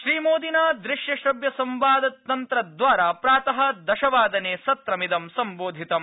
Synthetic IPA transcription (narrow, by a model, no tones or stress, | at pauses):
ʃɾiːmoːd̪inaːd̪ɾɪʃjɐʃɾɐbjɐsɐmʋaːd̪ɐt̪ːɐnt̪ɾɐd̪ʋaːɾaːpɾaːt̪ɐɦɐ̆d̪ɐʃɐʋaːd̪ɐneːsɐt̪ɾɐmid̪ɐmsɐmboːd̪ʱit̪ɐm